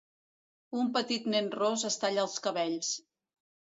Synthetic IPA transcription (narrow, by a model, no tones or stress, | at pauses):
umpət̪it̪nɛnrozəst̪aʎaəlˠskəβɛʎs